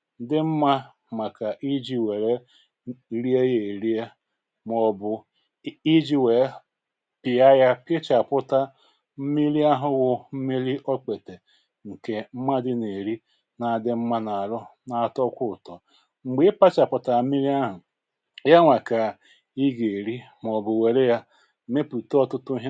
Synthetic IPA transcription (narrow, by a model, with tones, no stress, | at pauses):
dɪ˦m̩˦ma˦ | mʷa˨ka˨ʔi˦d͡ʒi˦we˨ɾe˦ | ɾi˦e˦je˨ɾi˦e˦ | m˦ɔ˦bʊ˦ | i˦d͡ʒi˦we˨˦ | pi˨a˦ja˦pɪ˦t͡ʃa˨pʊ˦ta˦ | m̩˦mi˦li˦a˦ɦʊ˦wʊ˦m̩˦mi˦li˦ʔo˦k͡pe˨te˨ | ŋ̩˨ke˨m̩˦ma˦dɪ˦ne˨ɾi˦ | na˨dɪ˦m̩˦ma˦na˨ɾʊ˦na˨tɔ˦kʷʊ˦˨tɔ˨ | ŋ͡m̩˨ɡ͡bɪ˦pa˦t͡ʃa˨pʊ˨ta˨m̩˦mi˦li˦a˦ɦʊ˨ | ja˦ŋʷa˨ka˨ | i˦ɡe˨ɾi˦ | m˨ɔ˨bʊ˨we˨ɾe˦ja˦ | m̩˦me˦pu˨tɔ˦tʊ˦tʊ˦ɦ